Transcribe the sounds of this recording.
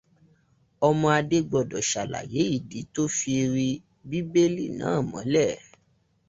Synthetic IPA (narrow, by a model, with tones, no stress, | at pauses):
ɔ˧mɔ̃˧a˧de˦ɡ͡bɔ˧˨dɔ˨ʃa˨la̰˨je˨˦i˦˨di˨˦to˦fi˧ɾi˧ | bi˦be˦li˦˨nã̰ː˨˦˨mɔ̃˨˦lɛ˦˨